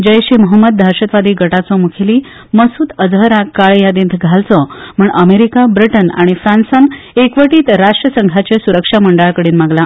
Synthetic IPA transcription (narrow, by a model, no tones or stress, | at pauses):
d͡ʑəjɕeməɦəmːəd̪̚d̪ʱaɾɕət̪ʋad̪iːɡəʈat͡sɔmukʰeliː | məsuːt̪əd͡zɦəɾakːaɭjad̪iːnt̪ʰɡʱalt͡sɔm̤əɳʔəmeɾikabɾiʈəna̰ɽ̃ifɾansan | ekʋəʈiːt̪ɾaʂʈɾəsəŋɡʱat͡ɕesuɾəkʂaməɳɖaɭkəɽiːnmaɡla